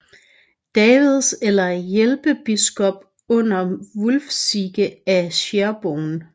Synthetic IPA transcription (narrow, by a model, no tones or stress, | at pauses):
d̥ɛːʋiðˠselɐjelb̥əb̥isɡ̥ɒ̽b̥ | ɔ̽n̰ɐʋulfsiɡ̥əæɕeɐb̥oːn